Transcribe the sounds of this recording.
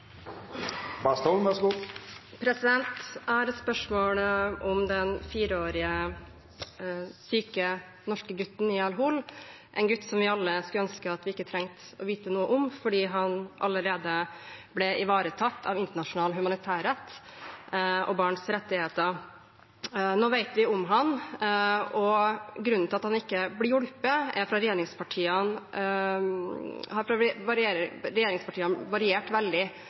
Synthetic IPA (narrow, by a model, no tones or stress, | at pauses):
bɑst̪ɔʋɛsɡu | pʰɾɛsɪd̪ɛnt̪æɾspœʂmoːɽəʔɔmd̪ɛnfiːɾəoːɾɪə | syːkə | nɔʂkəɡʉt̪ːn̩ɪɑlɦuːl | ʔɛ̰ɪnɡʉt̪ːsɔmʋɪɑlːəskʉlœnskəɑt̪ʋɪɪkːət̪ʰɾɛŋt̪ | ɔʋiːt̪ənuːəʔʊmfɔɖiːɦɑnʔɑ̰ləɾeːd̪əblɛʔɪʋɑːɾət̪ʰɑt̪ːɑ̰ʋɪnt̪əɳɑʂʊnɑːlɦʉmɑnɪt̪ʰæːɾɛt̪ː | ʔɔ̰bɑːɳsɾɛt̪ːɪheːt̪əɾ | noːʋæɪt̪ʋɪʊmɦɑn | ɔɡɾʉnnt̪ɪlɑt̪hɑnɪkːəblɪjʊɽpəɛɾfɾɑɾɛjeːɾɪŋspʰɑʈʰiːən | hɑɾfɾɑʋɑɾɪeɾɛjeːɾɪŋspɑʈʰiːənʋɑɾɪeːʈʋɛld̪ɪ